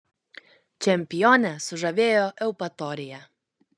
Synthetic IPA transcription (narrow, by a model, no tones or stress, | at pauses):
t͡ʃʲɛmʲpʲɪjɔnʲɛsʊʒɐʋʲeːjoːʔɛʊpɐt̪ɔːɾʲɪjɛ